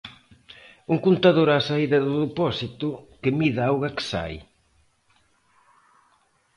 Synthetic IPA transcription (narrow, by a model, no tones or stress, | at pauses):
uŋkunt̪aðoɾaːsaiðɐðʊðepɔsit̪ʊkɪmiðaawɣɐkɪ̥sa̰j